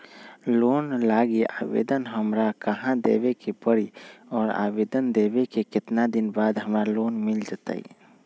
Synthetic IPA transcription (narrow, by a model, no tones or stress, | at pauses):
loːnlaːɡiaːʋḛːd̪ənɦəmɾakəɦãd̪ḛːwekepəɾiɔːɾa̰ːʋeːd̪ənd̪eːwekekɪt̪nad̪ɪnbaːd̪ɦəmɾaloːnmɪld͡ʒat̪a̰ːḭ